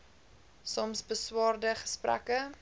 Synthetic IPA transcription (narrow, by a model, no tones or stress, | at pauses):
sɔmsbəswɑːrdəχə̥spræ̰kə